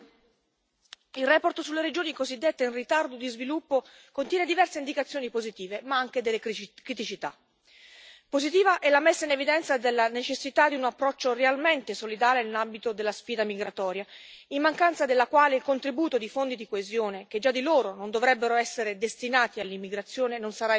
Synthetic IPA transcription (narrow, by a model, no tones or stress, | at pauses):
ilrɛːport̪osulːeɾed͡ʒoːnikozid̪ːet̪ːeinrit̪ard̪od̪izvilupːo | kont̪jɛːned̪ivɛrseind̪ikat̪sjoːnipozit̪iːvemaaŋk̟ed̪elːekɾit̪it͡ʃit̪a̰ | pozit̪iːvaʔɛlːamesːainevid̪ɛnt̪sad̪elːanet͡ʃesːit̪ad̪iunapːɾɔt͡ʃːorealment̪esolid̪aːlenelambit̪od̪elːasfiːd̪amiɡɾat̪ɔːɾja | imːaŋkant̪sad̪elːakwaːleilkont̪ɾibuːt̪od̪ifond̪id̪ikoezjoːnek̟ed͡ʒːad̪ːiloːɾonond̪ovɾɛbːeɾoɛsːeɾed̪est̪inaːt̪ialːimːiɡɾat̪sːjoːnenonsaɾa